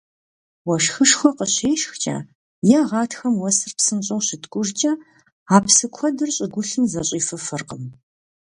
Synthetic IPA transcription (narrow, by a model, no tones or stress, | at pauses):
wɐʃxɨʂxʷɔqəɕeːʃxt͡ʃʼɐ̰ː | jaʁɑːtʰxɐmwɐsɨrpsɨnɕʼɐwɕɪtʰkʷʼʊrt͡ʃʼɐ | aːpsɨkʷʰɔdɨrɕʼɪɡʷʊɬɨmzɐɕʼiːfɐfɨrqəm